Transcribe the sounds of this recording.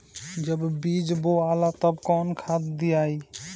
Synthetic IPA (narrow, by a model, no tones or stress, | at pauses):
d͡ʒəbbid͡ʒboalat̪əbkɔnkʰat̪d̪ijai